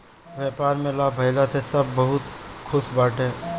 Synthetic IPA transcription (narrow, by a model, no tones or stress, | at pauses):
ʋjɛːpaːɾmẽlabʱɐɪlasesɐbːɐɦʊt̪kʰʊʃbaːʈɦẽː